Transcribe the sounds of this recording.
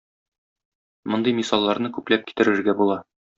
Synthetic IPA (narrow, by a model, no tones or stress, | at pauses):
mŏnd̪ɤjmisɑlˠːɑɾnɤkʉplæp̚ki̥t̪ɘ̆ɾɘ̆ɾɡæbulˠɑ